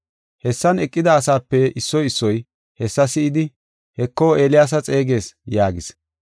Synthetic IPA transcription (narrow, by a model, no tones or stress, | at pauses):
hɛsːɐnɛkʼːɪd̪ɐːs̬aːpːɛɪsːɔjɪsːɔj | hɛsːɐsɪɪd̪ɪ | hɛkːoːe̞ːlɪjaːs̬ɐt͡sʼeːɡe̞ːsjaːɡɪs